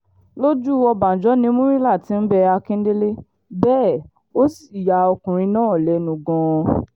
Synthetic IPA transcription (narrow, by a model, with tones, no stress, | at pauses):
lo˦d͡ʒu˦ɔ˧ba˨n̩˨d͡ʒɔ˨˦nĩ˧˦mũ˦ɾĩ˦la˦˨tĩ˧˦n̩˦bɛ˧a˧kĩ˦n̩˦de˦le˦ | bɛː˦˨ | o˦si̥˨ja˨ɔ˧kũ˨ɾ̃ĩ˧nãː˦˨lɛ˨˦nũ˨ɡɔ̃˧